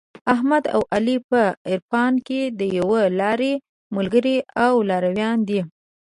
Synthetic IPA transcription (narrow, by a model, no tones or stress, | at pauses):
aɦmad̪a̰wʔalipəɪɾfɑnked̪əjawəlɑɾe | məlɡəɾiawlɑɾawjɑnd̪i